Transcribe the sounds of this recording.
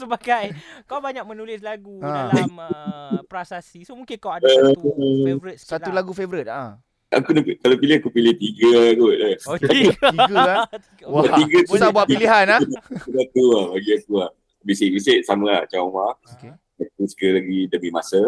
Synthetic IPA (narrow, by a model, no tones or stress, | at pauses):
səbaɡajkawbaɲak̚mənulɪslaɡuampɾasasisomuŋkɪnkawaə | isat̪ulaɡufevɾit̪̚a | ʔa̰kunakalapilɪhakupilɪht̪iɡəɡot̪̚əakɡa | waaiɡəsusabuaʔpiliɦanahausat̪uabaɡiakuah | bisiʔbiseʔsaməlat͡ʃaɔŋwaoke | at̪uskəlaɡidəmimasə